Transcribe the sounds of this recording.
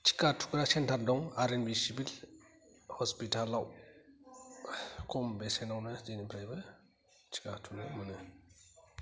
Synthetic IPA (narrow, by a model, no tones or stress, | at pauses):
t͡ʃʰi̥katʰu̥kɾasentʰaɾdɔŋaɾenbisibil | hɔspitalːaw | kʰɔmbesenawnɯzenipʰɾajbɯ | t͡ʃʰi̥katʰunɯmɯnɯ